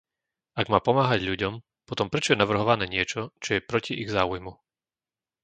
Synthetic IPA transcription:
aɡmaːpɔmaːɦaɟʎuɟɔm | pɔt̪ɔmpɾɛt͡ʃɔjɛnaʋr̩ɦɔʋanɛːɲɪɛt͡ʃɔt͡ʃɔjɛpɾɔciʔiɣzaːujmu

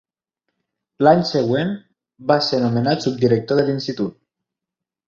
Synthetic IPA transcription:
laɲsəɣwen | baseɾnumənat̪sup̚d̪iɾək̚t̪oðəlinst̪it̪ut̪̚

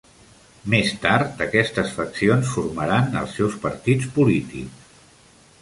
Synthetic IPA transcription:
mest̪aɾt̪əkɛst̪əsfəksionsfuɾməɾanə̰lˠsːɛwspəɾt̪it͡spulit̪ḭks

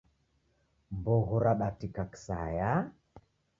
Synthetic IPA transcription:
mbɔɣɔɾaɗatikaki̥sa̰ja

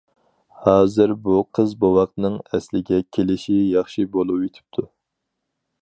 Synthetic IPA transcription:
hɑːzɨɾbuqʰəzbowɑq̚nɨŋɛslɪɡʲɛkʲʰelɪʃijɑχʃibolˠupet̪ʰɪ̥p̚t̪ʰu

